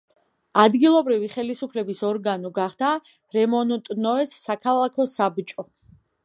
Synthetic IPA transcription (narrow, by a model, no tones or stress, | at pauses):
ad̪ɡilˠɔbɾiviχɛlisupʰlɛbisɔɾɡanɔɡaχd̪a | ɾɛmɔnɔt̪ʼnɔɛsːakʰalˠakʰɔsabt͡ʃʼɔ